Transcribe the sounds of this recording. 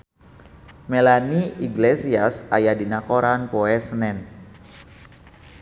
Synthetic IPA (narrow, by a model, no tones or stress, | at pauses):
melaniʔiɡlesiasajadinakoɾanpoɛsnɛn